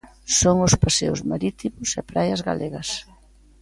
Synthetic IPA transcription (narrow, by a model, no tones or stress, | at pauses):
soŋʊspasḛʊ̰zmaɾit̪imʊsɛpɾajɐzɣa̰lʔeɣɐs